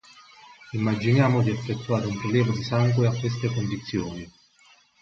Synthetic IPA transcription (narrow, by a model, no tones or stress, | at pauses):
imːad͡ʒinjaːmod̪iafːet̪ːuaːɾeumpɾeljɛːvad̪isaŋɡweakːwest̪ekond̪it̪sːjoːni